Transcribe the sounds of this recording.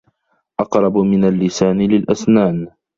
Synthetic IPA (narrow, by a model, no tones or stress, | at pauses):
ʔɑqɾˤɑbmɪnalːɪsaːnlɪlʔasnaːn